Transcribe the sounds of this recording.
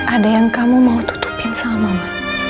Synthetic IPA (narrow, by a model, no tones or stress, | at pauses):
ʔadajaŋkamumaut̪u̥t̪u̥pansamamama